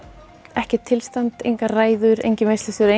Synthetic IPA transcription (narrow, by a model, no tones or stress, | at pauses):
ɛhcɪt̪ʰːɪlst̪ant̪ḛjŋkaraːjðʏɾḛjɲcɪmest̪ɪsʏɾe